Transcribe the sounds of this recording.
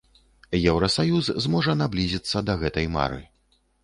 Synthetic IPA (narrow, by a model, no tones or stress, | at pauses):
jɛwɾɐsajuzzmɔʐɐnablʲizʲit̪sːɐd̪ɐɣɛt̪ɐjma̰ɾɨ̰